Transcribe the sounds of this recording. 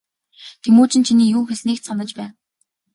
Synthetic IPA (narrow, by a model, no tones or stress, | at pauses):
t̪ʰemoːt͡ɕɪ̆nt͡ɕʰiniːjuːxeɮniːksanə̆t͡ɕpæːn